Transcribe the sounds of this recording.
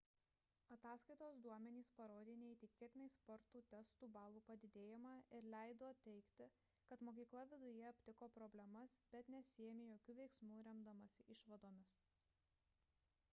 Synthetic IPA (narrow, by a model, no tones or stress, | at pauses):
ɐt̪ɑːskɐɪt̪oːsd̪uɔmʲɛnʲiːspɐɾoːd̪ʲeːnʲɛiːt̪ʲɪkʲiɛt̪ʲɪnɛɪspɔɾt̪uːt̪ʲɛst̪uːbɑːlˠuːpɐd̪ʲɪd̪ʲeːjɪmɑːʔɪɾlʲæˑɪd̪oːt̪ʲɛɪkt̪ʲɪ | kɐt̪moːk̬ʲiːklˠɐʋʲɪd̪ʊjɛɐpʲt̪ʲɪkoːpɾɔbʲlʲɛmɐsbʲɛt̪nʲɛsʲɪɛmʲeːjoːkʲuːʋʲɛɪksmuːɾʲɛmd̪ɐmɐsʲɪʔɪʃʋɐd̪oːmʲɪs